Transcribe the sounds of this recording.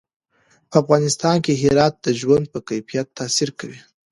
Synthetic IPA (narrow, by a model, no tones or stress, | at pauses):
pəafɣɑnɪst̪ɑnkeɦɪɾɑt̪̚d̪əʒwand̪̚pəkajfijat̪ʰːɑsiɾkawi